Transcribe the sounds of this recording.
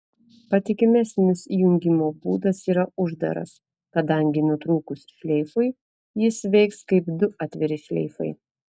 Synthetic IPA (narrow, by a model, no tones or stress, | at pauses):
pɐt̪ʲɪkʲɪmʲɛsʲnʲɪsijʊŋʲɡʲɪmoːbṵːd̪ɐsiːɾɐʊʒd̪ɐ̰ɾɐ̰s | kɐd̪ɐŋʲɡʲɪnʊt̪ɾuːkʊsʲʃʲlʲɛɪfʊɪ | jɪsʋʲɛɪkskɐɪbd̪ʊʔɑːt̪ʲʋʲɛɾʲɪʃʲlʲɛ̰ɪfɐ̰ɪ